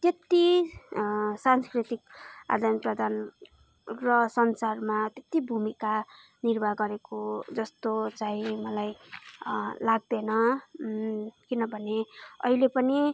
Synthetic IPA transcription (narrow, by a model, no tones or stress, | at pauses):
t̪et̪i | sanskrit̪ik̚a̰d̪ʱanprʌd̪ʱan | rʌsʌnsarmat̪et̪ibʱumika | nirbʱaɡʌɾekod͡zʌst̪ot͡saĩmʌlaj | laɡ̚d̪enʌ | kinʌbʱʌneʌ̰ɦilepʌni